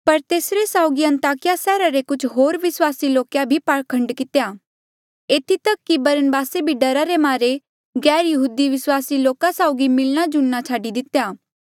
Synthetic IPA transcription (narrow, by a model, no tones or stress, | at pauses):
pɐɾt̪eːsɾesaːʊɡiɐ̃nt̪aːkɪjasɛːɾaɾekʊt͡ʃʰɦoːɾʋɪswaːsiloːkjabʱipaɽkʰɐ̃ɳɖkɪt̪jaː | eːt̪ʰit̪ɐkːibɐɾənbaːsebʱiɖɐɾaɾemaːɾe | ɡɛːɾjɐɦuːd̪iʋɪswaːsiloːkasaʊɡimɪlɽ̃ad͡ʒʊnːat͡ʃʰaːɖid̪ɪt̪ejaː